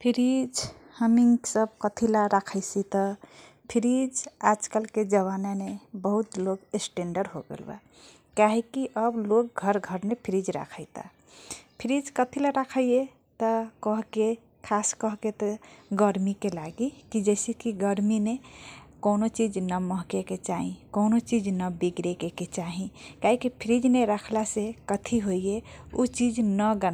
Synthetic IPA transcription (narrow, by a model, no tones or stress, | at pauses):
pʰiɾid͡ʒ | həmiŋɡsəb̚kət̪ʰilaɾakʰəɪsit̪ə | pʰiɾid͡ʒad͡ʒkəlked͡ʒəβananebəɦut̪lokesʈeɳɖəɾɦo̰ɡḛlba̰ | kaɦikiʔəblok̚ɡʱəɾɡʱəɾnepʰiɾid͡ʒɾa̰kʰəjt̪ə̰ | pʰiɾid͡ʒkət̪ʰilaɾakʰəje | t̪əkəɦke | kʰaskəɦket̪ɔɡəɾmikelaɡikid͡ʒɛɪsekiɡəɾminekonot͡ʃid͡ʒnəməɦkeket͡ʃaɦĩkonot͡ʃid͡ʒnəbiɡɾekeket͡ʃaɦĩkaɦikipʰiɾid͡ʒneɾakʰlasekət̪ʰiɦoijeut͡ʃid͡ʒnəɡən